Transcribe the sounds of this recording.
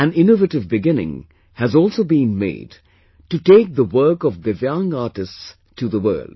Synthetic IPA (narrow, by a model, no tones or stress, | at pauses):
æ̃nɪ̃novəʈɨvbɪɡɪ̃nɪ̰̃ŋ | hɨzɔlˠsoʊbĩnmḛɪd | tɨteɪk̚ðəwɜ˞kɔvbɪvjãŋaːʈɨsts | tʰuðəwɜ̰˞lˠd̥̚